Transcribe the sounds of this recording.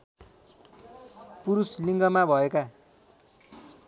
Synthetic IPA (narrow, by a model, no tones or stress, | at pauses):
puɾusliŋɡʌmabʱʌeka